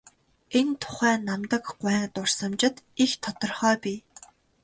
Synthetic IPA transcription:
ent̪ʰʊ̥χæːnamt̪ə̆kɢʷwæːŋt̪ʊr̥sə̆mt͡ɕɪ̆t̪ixt̪ʰɔt̪ɞ̆rχœːpʲiː

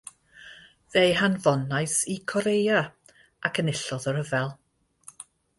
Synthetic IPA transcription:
ðejɦanvɔnajsikʰɔɾeja | akʰənɪɬɔðɔɾəvɛlˠ

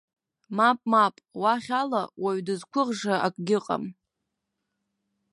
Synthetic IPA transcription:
mapʼmapʼwaχʲalawaɥdɨzkʷʰʊʁʐaakʼɡʲɪqʼa̰m

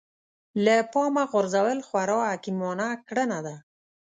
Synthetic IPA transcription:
lapɑmaɣʊɾzawəlxwaɾɑakimɔnakɽənad̪a

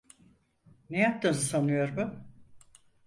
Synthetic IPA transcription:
nejap̚t̪ɯmzɯsanɯjo̞ɾbʊ

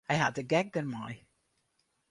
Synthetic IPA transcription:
aɪhəd̚tɨɡɛɡ̚ðɨ˞maɪ

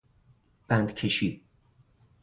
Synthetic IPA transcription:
b̥ænd̪cʰeʃi

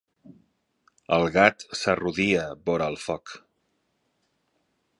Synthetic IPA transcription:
əlˠɣat̪səruðiəβoɾəlˠfɔk

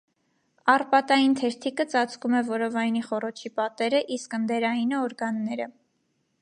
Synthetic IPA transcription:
ɑrpɑt̪ɑjint̪ʰɛɾt̪ʰikət͡sɑt͡sʰkumɛvɔɾɔvɑjniχɔrɔt͡ʃʰipɑt̪ɛɾəʔiskənd̪ɛɾɑjinəɔɾɡɑnːɛɾə

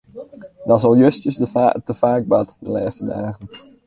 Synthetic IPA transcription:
dɑsɑlˠjøstjəstəfaːɡ̚bɑtdəlaːstədaːχən

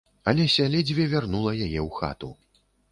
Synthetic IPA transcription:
ɐlʲɛsʲalʲɛd͡zʲvʲɛvʲarnulˠɐjajɛwxa̰t̪u

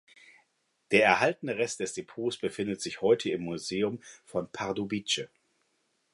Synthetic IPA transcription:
d̥eːɐɛɐɦaltənəʁɛstd̥ɛsd̥epʰoːsb̥əfɪndətz̥ɪçhɔʏtʰəɪmːuzeːʊmfɔnpʰaʁdobit͡ʃə

